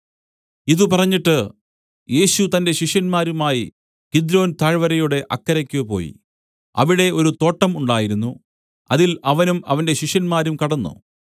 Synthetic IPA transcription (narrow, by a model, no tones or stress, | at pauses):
iðɨpɐrɐɲːiʈːɨ | je̞ːɕut̪ɐnde̞ɕiʂjɐnmaːɾumaːji | kid̪ɾo̞ːnt̪aːɻʋɐɾɐjuɽe̞ʔɐkːɐɾɐkʲːupo̞̰ːjḭ | ɐ̰ʋiɽe̞ʔo̞ɾut̪o̞ːʈːɐmuɳɖaːjiɾunːu | ɐðilɐʋɐnumɐ̰ʋɐnde̞ɕiʂjɐnmaːɾumkɐɽɐnːṵ